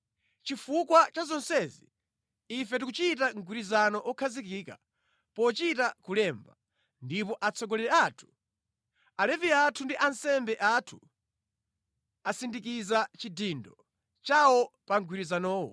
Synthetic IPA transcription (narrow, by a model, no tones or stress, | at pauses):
t͡ʃifukwat͡ʃazɔnsɛzḭː | fɛt̬ikut͡ʃit̬aŋɡwiɾizanɔʔɔkʰazikiːka̰ | pɔt͡ʃitakulɛːmba̰ | ndipɔʔat͡sʰɔɡɔlɛɾɛaːtʰu̥ | alɛviatʰundiʔansɛmbɛʔatʰu̥ | asindik̬izat͡ʃidiːndɔ | t͡ʃawɔpaŋɡwiɾizanɔːwɔ̰